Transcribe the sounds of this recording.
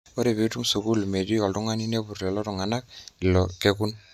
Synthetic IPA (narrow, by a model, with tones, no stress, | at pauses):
o˦ɾe˨bi˨˦tu˦msu˨ku˦lme˨di˦ɔ˨ltu˦ŋa˦ni˦ne˦bu˨rlɛ˨lɔ˦tu˨ŋa˨na˦klɔ˨ke˦ku˦n